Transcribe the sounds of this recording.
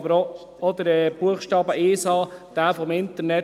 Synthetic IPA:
bəɾ | ɔd̪əɾɛb̥uəχʃtɑːbəʔeːsɑːd̥æːfɔmɪnt̪əɾnɛ

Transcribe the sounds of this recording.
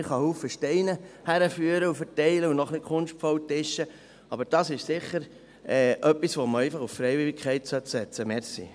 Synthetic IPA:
ɪχɑhuːfəʃtɛɪnəhæɾəfyːəɾəufəɾtɛɪləunɔχnɪkʰʊnʃtfɔwtɪʃːə | ɑbəɾd̥ɑsɪʃsɪχːəɾ | ɛːʔœpːisʋɔməɛɪfɑχuffɾɛjʋɪlikχɛɪtsœtsɛt͡səmɛɾsḭ

